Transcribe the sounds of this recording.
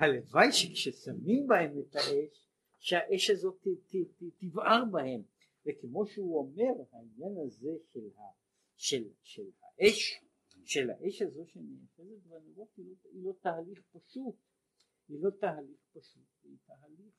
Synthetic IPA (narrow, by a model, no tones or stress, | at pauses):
halevajʃekʃesamimbahe̞met̪haʔeʃ | ʃehaʔe̞ʃhazo̞t | t̪ivʔaʁbahe̞m | vekemo̞ʃeuome̞ʁhainjanaze̞ʃelha | ʃelʃelha̰ʔeʃ | ʃe̞la̰ʔe̞ʃhazo̞ʃenejaχezet̪vanoʁot̪iloilo̞t̪ahaliχpaʃut | ilo̞t̪aɦaliχpaʃut̪veit̪aɦaliχ